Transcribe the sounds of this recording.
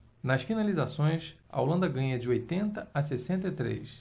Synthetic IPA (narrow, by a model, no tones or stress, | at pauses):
nɐsfinalizasõj̃s | ɐ̰o̰lɐ̃nd̪ɐɡɐ̃ɲɐd͡ʒɪojt̪ẽnt̪ɐɐsesẽnt̪ɪt̪ɾḛjs